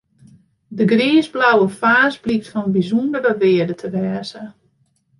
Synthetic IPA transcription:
dəɡriːzblawəfaːsblik̚tfɔnbizundərəʋɪədətʰəʋɛːzə

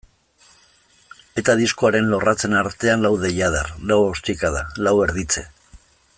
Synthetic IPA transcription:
e̞t̪aðiskoaɾe̞nlo̞rat͡se̞naɾt̪e̞anlawðe̞jað̞arlawost̪ikaðalawe̞ɾð̞it͡se̞

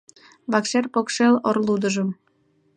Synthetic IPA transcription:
βɑkʃerpokʃelorlud̪əʒəm

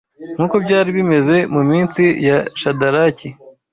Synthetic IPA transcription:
ŋ̥uːko̞bɟaːɾiβime̞ze̞mumiːnt͡sijaʃadaɾaci

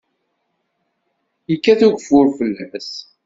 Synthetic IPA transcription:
jəkːæθuʝfʊɾfəlːməs

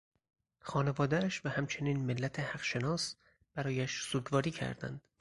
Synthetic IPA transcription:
xɒːne̞vɒːd̪ææʃvæhæmt͡ʃʰe̞niːnmelːæt̪ʰehæɢʃe̞nɒːs | b̥æɾɒːjæʃsuːɟvɒːɾiːcʰæ̰ɾd̪æ̰nd̪̥

